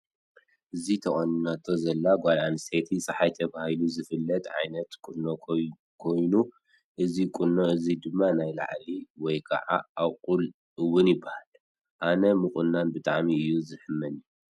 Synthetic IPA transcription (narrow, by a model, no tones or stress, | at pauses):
ʔɨzit̪ʰɐχʼɐnnat̪ʼo̞zɐlːaɡʷalanɨst̪ʰet̪ʰisʼɐħajt̪ʰɐβahiluzɨfɨlːɐt̪ʼʕa̰jnɐt̪kʼɨnːo | kʰo̞jnu | ʔɨzikʷʼunːo̞ɨzid̪ɨmːanajla̰ʕliwɔjkʰɐ̰ʕa̰ʔawqʼul | ʔɨwːʊnjɪbːahal | ʔanɐmɨχʼɨnːanbɨt̪ʼaʕmiɨjːuzɨħɨmːɐnju